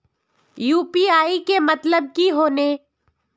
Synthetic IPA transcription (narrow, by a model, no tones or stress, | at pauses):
juːpiaːikemɐt̪ləb̚kiɦoːne